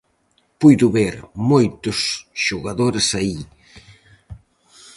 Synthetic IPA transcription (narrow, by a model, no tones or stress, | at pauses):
pujðʊβeɾmojt̪ʊsʃoɣaðoɾɪsai